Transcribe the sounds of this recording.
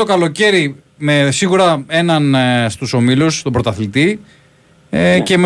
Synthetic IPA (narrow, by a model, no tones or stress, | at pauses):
o̞kɐlo̞ce̞ɾi | me̞siɣuɾɐe̞nɐnst̪uso̞milust̪o̞bɾo̞t̪ɐθlit̪i | ce̞m